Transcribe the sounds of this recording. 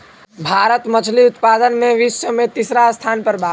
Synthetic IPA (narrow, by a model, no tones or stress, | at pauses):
bʱaɾət̪mət͡ʃʰliʊt̪pad̪ənmẽʋisəmẽt̪isɾast̪ʰaːnpəɾbʱa